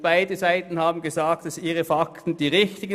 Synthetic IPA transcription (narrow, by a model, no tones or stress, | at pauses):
b̥aɪdəzaɪtn̩haːbm̩ɡəzaːk̚td̥asiːʁəfaktn̩d̥iːʁɪçtɪɡ